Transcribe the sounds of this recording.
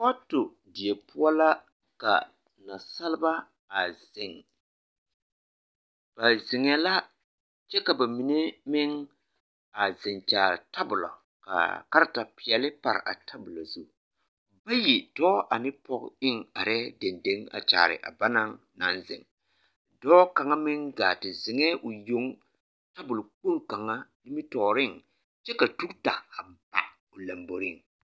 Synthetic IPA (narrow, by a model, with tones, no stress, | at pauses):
ɔ˦tʊ˨ | dɪ˨e˨pʊ˦ɔ˦la˦ | ka̰˨ | na˨sa˦lɪ˦ba˦ | a˨zɪ˨ŋ | b̥a˨zɪ˨ŋɛ˦la˦ | t͡ʃɛ˦ka˨ba˨mi˨ne˦mɪ˦ŋ | a˨zɪ˨ŋt͡ʃa̰ː˨ɾɪ˨ta˦bʊ˨la̰˨ | ka̰˨ka˦ɾɪ˦ta˨pɪ˨ɛ˨lɪ˦pa˨ɾɪ̰˨ʔa̰˨tʰa˦bʊ˨la˨zu˦ | ba˦ji˨dɔː˦ʔa˨nɪ˦pɔ˦kɪ˦ŋa˨ɾɛ˦de˨nde˦ŋa̰˨t͡ʃa̰ː˨ɾɪ̰˨ʔa̰˨ba˦na˦ŋ | na̰˨nzɪ̰˨ŋ | dɔː˦ka˨ŋa˦mɪ˦ŋɡa˨tɪ˨zɪ˨ŋɛ˦ʔʊ˨jo˦ŋ | ta˦bʊ˨lʊ˨k͡po˦ɾka˨ŋa˦nɪ˦mɪ˦tɔː˨ɾɪ˦ŋ | t͡ʃɛ˦ka˨tu˦kta˨a˨ba̰˨ | ʊ˨la˨mbo˨ɾɪ˦˨ŋ